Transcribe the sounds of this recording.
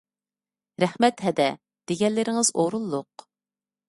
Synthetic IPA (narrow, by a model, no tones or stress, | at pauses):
ɾɛhmɛt̪ɦɛd̪ɛ | d̪̥eɡʲɛnlːɪɾɪŋɨzoɾulˠːʊq